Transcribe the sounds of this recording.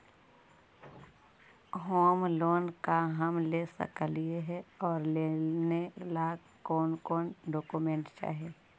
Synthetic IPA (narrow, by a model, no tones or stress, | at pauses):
ɦoːmloːnkaɦəmlesə̰klieɦɛɔːɾleːnelaː | kɔːnkɔːnɖoːkumẽːɳʈt͡ʃa̰ːɦeː